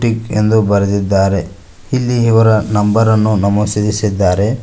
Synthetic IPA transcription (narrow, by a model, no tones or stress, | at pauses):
ʈike̞nd̪ubɐɾed̪id̪ːaːɾe̞ | hilːiiʋɐɾɐnɐmbɐɾɐnːunɐmɐsid̪isid̪ːaːɾe̞